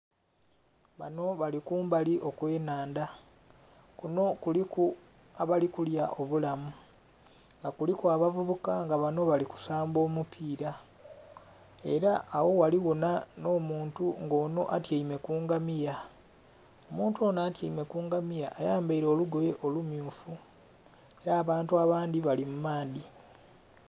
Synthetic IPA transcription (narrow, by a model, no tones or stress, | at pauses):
βa̰no̞βalikuːmbaliʔo̞kwe̞ːnaːnda | kuno̞kuliku | aβalikuljaʔo̞βulamu | ŋɡakulikuaβavuβukaŋɡaβano̞βaliku̥saːmbo̞ːmupʰiːɾa | e̞ɾaʔːwo̞waliwonano̞ːmuːntuŋɡo̞ːno̞̰ʔatjaime̞kuːŋɡamija | o̞muːntuo̞ːnaːtjaime̞kuːŋɡamijaʔːjaːmbaiɾo̞ːluɡoje̞ʔo̞lumjuːfu | e̞ɾaːβaːntuaβaːnd̪iβalimumaːdi